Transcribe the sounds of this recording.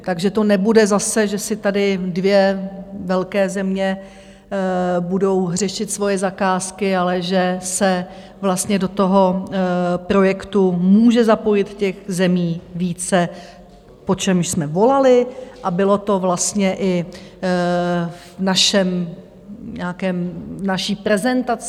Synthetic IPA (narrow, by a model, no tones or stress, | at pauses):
t̪aɡʒɛt̪o̞nɛbudɛzasɛʒɛsɪt̪adɪdvjɛvɛlkɛːzɛmɲɛ | budo̞wɦr̝ɛʃɪt̪svo̞jɛzakaːskɪalɛʒɛsɛ | vlast̪ɲɛdo̞t̪o̞ɦo̞ | pɾo̞jɛkt̪umuːʒɛzapo̞jɪt̪cɛxzɛmiːviːt͡sɛ | po̞t͡ʃɛmʃsmɛvo̞lalɪʔabɪlo̞t̪o̞vlast̪ɲɛʔɪ | vnaʃɛm | ɲɛakɛːmvnaʃiːpɾɛzɛnt̪at͡s